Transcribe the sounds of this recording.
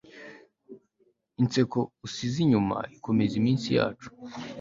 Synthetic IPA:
int͡se̞ko̞usiziɲuma̰ikʰo̞mezimiːnsija̰ːt͡ʃu̥

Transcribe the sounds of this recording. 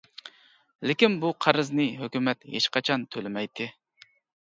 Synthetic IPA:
lɪkʲinbuqʰɑɾɨznɨɦøkʲymɛt̪hḛʃqɑt͡ʃʰɑnt̪ʰølɪmɛjt̪ʰɪ

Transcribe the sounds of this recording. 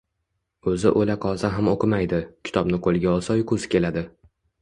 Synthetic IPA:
ɵzɪʔolaqʰɒzaɦamoqʰɨmajd̪ɪkʲʰɪ̥t̪ʰɒbnɪqʰolˠɡʲaɒlˠsajkʰɵzɪ̥kʲʰe̞lad̪ɪ

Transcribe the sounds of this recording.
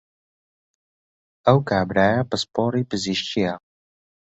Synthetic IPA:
ɐwkaːbɾaːjapəspɔːɾipəziʃt͡ʃija

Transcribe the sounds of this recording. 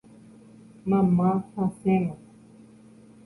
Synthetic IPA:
mamãhãsɛ̃mã

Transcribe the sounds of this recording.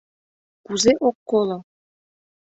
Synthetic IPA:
kuzeʔokːolˠɤ̆

